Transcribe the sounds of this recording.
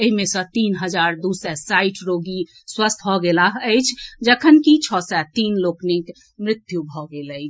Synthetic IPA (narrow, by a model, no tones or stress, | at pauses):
eɦimesə̃t̪inɦəd͡ʒaɾd̪usɛsajʈʰɾoɡi | swəst̪ʰɦɔɡelaɦəɪt͡ʃʰd͡ʒəkʰənkit͡ʃʰɔsɛt̪inloknik | mɾɪt̪jubʱɔɡeləɪt͡ʃʰ